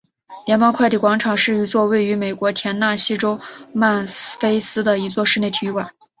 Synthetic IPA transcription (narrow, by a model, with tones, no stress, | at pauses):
ljɛ˧˥npɑ˥ŋkʰw̪i˨˩kwɑ˧˥ŋʈ͡ʂʰɑ˨˩ŋʂɻ̩˥˩i˧˥t͡swɔ˥˧we˥˩ɪy˧˥me˨˩ɪkwɔ˧˥t̪ʰjɛ˧˥nna˥˩ɕi˥ʈ͡ʂo˥ʊma˥˩nfe˥ɪsɹ̩˥d̪ə˨i˧˥t͡swɔ˥˧ʂɻ̩˥˧ne˥˩ɪt̪ʰi˨˧˥kwa˨˩˦n